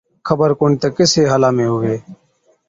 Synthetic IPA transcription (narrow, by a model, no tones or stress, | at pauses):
kʰəbəɾkoːɳːt̪eːkɪseːɦaːlaːmẽːɦʊʋeː